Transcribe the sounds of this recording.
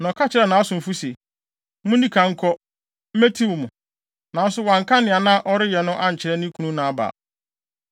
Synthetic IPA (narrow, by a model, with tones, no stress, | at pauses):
nɔ̃˨kʰa˦t͡ɕʰɪ˦ɾɛ˨nã˨˦a˦sʊ̃˨m̩˨fu˦se˨ | mʊ̃˦nĩ˦kʰa˨ŋ̩˦kʰɔ˦ | m̩˦me˦tʰi˦wʊ˨mʊ̃˨ | nã˨˦n̩˦sʊ˦wã˨ŋ̩˨kʰa˦nɪ̃˨a˨nã˦ʔɔ˦ɾɪ˦jɛ˨nʊ̃˦ʔa˦ɲ̩˨t͡ɕʰɪ˨ɾɛ˦nĩ˦kʰũ˨˦nũ˦nã˨a˦ba̰ː˨